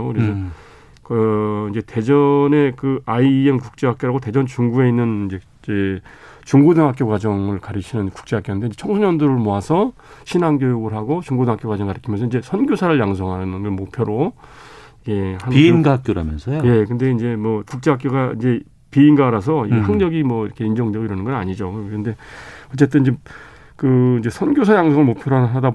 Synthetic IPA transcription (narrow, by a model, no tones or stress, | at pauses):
okɯɾes̬ʰʌ | kʌind͡ʑe̞te̞d͡ʑʌne̞kɯaiemkuk̚t͡ɕ͈eɦak͈joɾaɡote̞d͡ʑʌnt͡ɕuŋɡue̞inːɯnid͡ʑe | et͡ɕuŋɡudɯŋɦak͈jokwad͡ʑʌŋɯɭkaɾiɕʰinɯnku̥k̚t͡ɕ͈e̞ɦak͈jonɯnde̞ind͡ʑet͡ɕʰʌŋsʰuɲʌndɯɾɯɭmoasʰʌ | ɕʰinanɡjojuɡɯɭɦaɡot͡ɕuŋɡudɯŋɦakjokwad͡ʑʌŋɡkaɾikʰimjʌnsʰʌind͡ʑe̞sʰʌnɡjosʰaɾɯɭjaŋsʰʌŋɦanɯnonʌmok̚pʰjʌɾo | ke̞hanpiinɡaɦak͈joɾa̰mjʌ̰nsʰʌjje̞kɯnde̞ind͡ʑe̞mwʌkuk̚t͡ɕ͈eɦak͈joɡaind͡ʑe̞ | piːnɡaɾas̬ʰʌiehaŋɲʌɡimwʌiɾʌkʰe̞ind͡ʑʌŋdweɡoiɾʌnɯnɡʌnaɲid͡ʑokɯnde̞ʌt͡ɕ͈e̞t̬͈ɯniɲd͡ʑe | kɯind͡ʑe̞sʰʌnɡjosʰajaŋsʰʌŋɯɭmok̚pʰjʌɾoada